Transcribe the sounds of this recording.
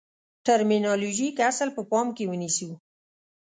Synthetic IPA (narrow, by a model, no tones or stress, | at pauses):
ʈaɾminɑloʒikasəlpəpɑmkewənisiw